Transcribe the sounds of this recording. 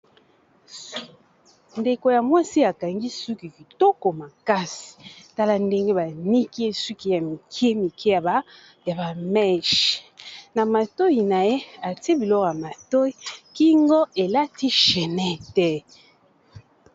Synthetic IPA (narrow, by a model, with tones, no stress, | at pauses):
nde˨ko˨ja˨mwa˦si˦a˨ka˨ŋɡi˦su˦ki˨ki˨to˦ko˨ma˨ka˦si̥˨ta˦la˦nde˦ŋɡe˦ba˨ni˦ki˦e˦su˦ki˦ja˨mi˨kʰje˦mi˨kʰe˦ja˨ | ja˨ba˨mɛ˦ʃna˨ma˨to˦ji˨na˨je˦a˨te˦bi˨lɔ˦kja˨ma˨to˦i˦ki˦ŋɡo˦e˨la˦ti˦ʃɛ˨nɛ˦tɛ˦